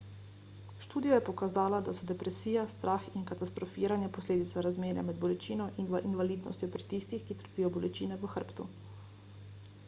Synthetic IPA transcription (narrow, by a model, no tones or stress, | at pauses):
ʃt̪uːd̪ijajɛpɔkazaːlad̪asɔd̪ɛpɾɛsiːjast̪ɾʔaːxinkat̪ast̪ɾɔfiɾanjapɔsleːd̪it̪saɾazmeːɾja̰mɛd̪̚bɔlɛt͡ʃiːnɔʔinʋinʋaliːd̪nɔ̰st̪jɔpɾit̪ist̪ixkit̪ə̥ɾpiːjɔbɔlɛt͡ʃiːnɛʋəxəɾpt̪u